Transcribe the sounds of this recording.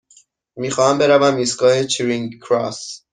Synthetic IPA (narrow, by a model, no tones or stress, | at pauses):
miːxɒːhæmbe̞ɾævæmiːsɡɒːhe̞t͡ʃʰiɾiŋɡkʰɾɒ̰s